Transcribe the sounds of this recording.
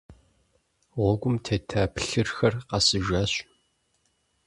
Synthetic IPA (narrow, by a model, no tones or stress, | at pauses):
ʁʷɔɡʷʊmtʰetʰaːpɬɨrxɐrqɑsɨʒaːɕ